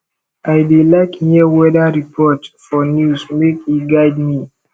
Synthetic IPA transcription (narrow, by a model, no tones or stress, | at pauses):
aɪdelaɪkhiəwɛdaɹipʰɔtfɔnjusmekiɡaɪd̚mi